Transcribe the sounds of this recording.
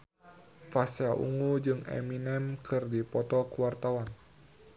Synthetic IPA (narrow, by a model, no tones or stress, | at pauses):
fasjaʔṵŋud͡ʒɨŋɛ̰minɛmkɨrdipɔt̪ɔkuwart̪awan